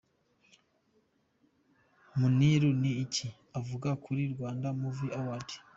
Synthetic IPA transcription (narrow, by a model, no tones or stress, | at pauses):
muniɾuniːcʰi | avuɡakʰuɾiɾɡwaːndamuviawatʰi̥